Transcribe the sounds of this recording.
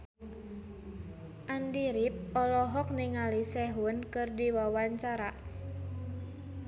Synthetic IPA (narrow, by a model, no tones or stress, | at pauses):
ʔandiɾip̚ɔlɔɦɔk̚niŋalisɛɦunkɨrdiwawaɲt͡ʃaɾa